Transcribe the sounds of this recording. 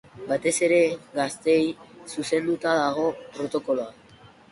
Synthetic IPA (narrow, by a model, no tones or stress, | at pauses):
bat̪e̞se̞ɾe̞ɡast̪e̞jsuse̞nd̪ut̪aðaɣ̞o̞pɾo̞t̪o̞ko̞loa